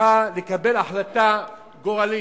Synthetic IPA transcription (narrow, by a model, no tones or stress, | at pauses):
alekabe̞laħlat̪a | ɡoʁali